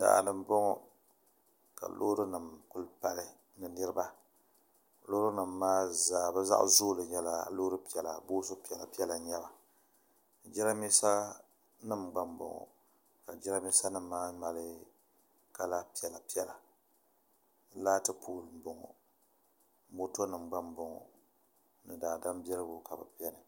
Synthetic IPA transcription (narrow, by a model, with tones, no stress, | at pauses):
da̰˨nɨ˨m˦bɔ˦ŋɔ˨ | ka̰˨lʔo̰˦ɾɨ˦nɨ˨mkʊ˦lpa˦lɨ˦ | nɨ˨nɨ˦ɾɨ˦ba˦˨ | lo˦ɾu˦nɨ˨mːaː˦zaː˨bɨ˦za̰˦ʔzoː˦lɨ˨ɲɛ˨la˨loː˦ɾɨ˦pi˨ɛ˨la˨boː˦so˦pi˨ɛ˨la˨pi˦ɛ˦la˨ɲɛ˦ba˨ | d͡ʒi˦ɾa˦mi˦sa˦ | nɨ˦mɡ͡ba˦mbʊ̰˨ŋɔ̰˨ | ka˨d͡ʒɛ˦ɾa˦mi˦sa˦nɨ˦mː˦aː˦ma˨lɨ˦ | ka˦la˦pi˨ɛ˨la˨pi˦ɛ˦˨la˨˦ | laː˦tɨ˦pʰuː˦˨lɨ˨m˨bo˨ŋɔ̰˨˦ | mo˦to˦nɨ˨m˨ɡ͡ba˦mbo˨ŋɔ̰˨ | nɨ˨daː˨da˦mbi˦ɛ˦lɨ˦bʊ˦ka˨bɨ̰˨pi˦ɛ˦nɨ˨